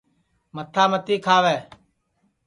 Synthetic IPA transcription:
mət̪ʰaːmət̪iːkʰaːʋɛː

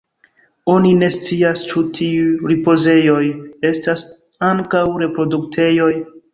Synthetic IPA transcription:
o̞nine̞st͡siast͡ʃutʰiujɾipo̞ze̞jo̞je̞stas | aŋkawɾe̞pɾo̞duk̚tʰe̞jo̞j

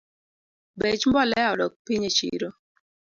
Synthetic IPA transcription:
bet͡ʃmbɔlɛɔɾɔk̚piɲet͡ʃḭɾo

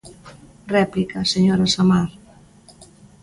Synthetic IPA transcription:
rɛplikaseɲoɾasamaɾ

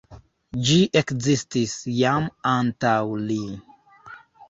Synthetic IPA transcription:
d͡ʒiʔekzistisjamantawli

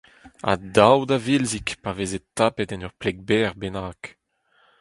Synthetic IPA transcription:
a̰d̪awd̪avilzikpavezet̪apɛt̪ɛnœʁplɛɡ̚bɛːʁbɛnaːk

